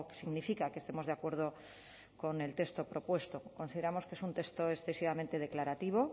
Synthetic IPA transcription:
ksiɣnifikakest̪e̞mo̞zðeakwe̞ɾð̞o | ko̞ne̞lt̪e̞st̪o̞pɾo̞pwe̞st̪oko̞nsiðe̞ɾamoskeesunt̪e̞st̪oesθe̞siβamẽnt̪e̞ð̞e̞klaɾat̪iβ̞o

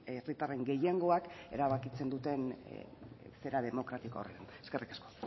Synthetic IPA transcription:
erit̪are̞ŋɡe̞jeŋɡo̞ake̞̰ɾaβakit͡se̞nd̪ut̪e̞n | fe̞ɾað̞e̞mo̞kɾat̪iko̰oret̪aneske̞rikḁsko̞̥

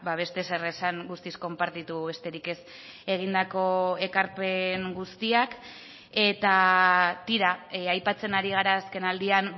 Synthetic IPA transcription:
baβ̞e̞st̪e̞se̞resaŋɡust̪isko̞mpaɾt̪it̪uβe̞st̪e̞ɾike̞s | e̞ɣ̞ind̪ako̞e̞kaɾpe̞ŋɡust̪iak | e̞t̪at̪iɾaajpat͡se̞naɾiɣ̞aɾaːske̞nald̪ian

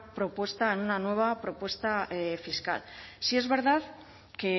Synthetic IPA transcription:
pɾo̞pwe̞st̪aenunanwe̞βapɾo̞pwe̞st̪aefiska̰lsie̞zβe̞ɾðað | ke̞

